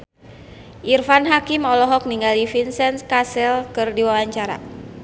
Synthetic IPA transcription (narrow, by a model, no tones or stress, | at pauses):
ʔirfanɦakimɔlɔɦɔk̚niŋɡalifinsɛnskasɛlkɨrdiwawaɲt͡ʃaɾa̰